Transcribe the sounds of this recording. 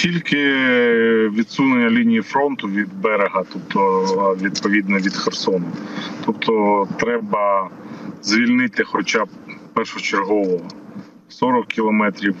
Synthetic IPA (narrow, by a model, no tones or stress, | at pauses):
tʲilʲkɪ | ʋʲid̪sunenʲːɐlʲinʲijifɾɔnt̪ʊʋʲid̪bɛɾeɦɐt̪ɔp̚t̪ʰɔʋʲid̪̚pɔʋʲid̪nɔʋʲid̪xersɔnɐt̪ɔp̚t̪ʰɔt̪ɾɛbɐ | zʋʲilʲnɪt̪ɪxɔt͡ʃabpɛrʃʊt͡ʃeɾɦɔʋɔɦɔ | sɔɾɔkʲːilˠɔmɛt̪ɾʲiw